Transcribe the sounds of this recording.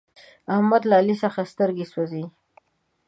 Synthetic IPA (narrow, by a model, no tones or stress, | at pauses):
ahmad̪laːlisəxast̪əɾɡeswazi